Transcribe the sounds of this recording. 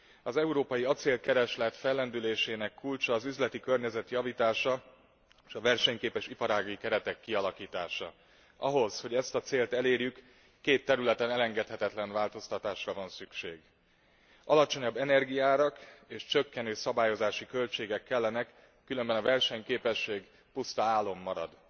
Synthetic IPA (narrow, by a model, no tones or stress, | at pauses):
ɒzɛuɾoːpɒjiɒt̪seːlkɛɾɛʃlɛt̪fɛlːɛnd̪yleːʃeːnɛkːult͡ʃɒːzyzlɛt̪ikø̞rɲɛzɛt̪jɒviːt̪aːʃɒ | ʃɒvɛrʃɛɲkeːpɛʃipɒɾaːɡikɛɾɛt̪ɛkːiɒlɒkiːt̪aːʃɒ̰ | ɒɦo̞zho̞ɟɛst̪ɒt̪seːlt̪ɛleːrjykː | eːt̪ːɛɾylɛt̪ɛnɛlɛŋɡɛt̪hɛt̪ɛt̪lɛɱvaːlt̪o̞st̪ɒt̪aːʃrɒvɒnsykʃḛːɡ | ʔɒlɒt͡ʃo̞ɲɒbːɛnɛrɡijaːɾɒkeːʃt͡ʃøkːɛnøːsɒbaːjo̞zaːʃikølt͡ʃeːɡɛkːɛlːɛnɛkː | ylø̞mbɛnɒvɛrʃɛɲkeːpɛʃːeːɡ | pust̪ɒaːlːo̞mːɒɾɒ̰d̪